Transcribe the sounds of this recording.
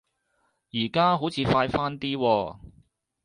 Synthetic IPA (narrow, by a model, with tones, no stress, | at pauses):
jiː˨˩kaː˥ɦo˨˥wt͡sʰiː˨˧faː˧jfaː˥nt̪iː˥wɔː˧